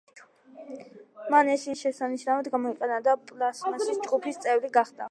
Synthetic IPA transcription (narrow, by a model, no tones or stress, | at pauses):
manɛsiʃɛsaniʃnavɛd̪ɡamɔiqʼɛnad̪apʼlasmaisd͡ʒɡupʰist̪sʼɛvɾiɡaχd̪a̰